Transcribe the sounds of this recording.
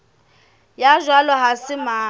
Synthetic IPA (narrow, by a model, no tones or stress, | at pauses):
jaʒwalɔɦasɪmaː